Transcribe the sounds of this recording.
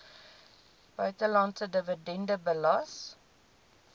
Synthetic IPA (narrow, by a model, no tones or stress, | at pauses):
b̥œɥtəlɑntədəvədɛndəbəlɑs